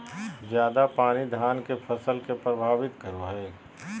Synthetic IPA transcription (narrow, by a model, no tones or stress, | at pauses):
zjaːd̪apaːnid̪ʱaːnkefʰɐsəlkepɾɐbʱaːʋɪt̪kɐɾoɦɛː